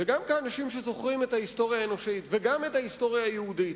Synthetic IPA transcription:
eɡamkaanaʃimʃe̞zo̞χʁimetaisto̞ʁjaeno̞ʃitveɡame̞thaisto̞ʁjaːjeudit

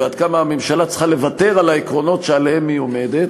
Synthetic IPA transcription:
ead̪̚kamaamemʃalat͡sχale̞vat̪e̞ʁalaikʁo̞no̞t̪ʃealehemːejume̞d̪e̞t̪

